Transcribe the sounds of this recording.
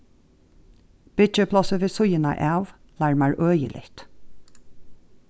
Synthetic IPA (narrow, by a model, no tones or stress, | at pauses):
b̥ɪt͡ʃəpʰlɔsəʋeːsʊjəna̰ʔaːʋ | læɹmaɹʔøːjə̰lʔɪ̰ht̪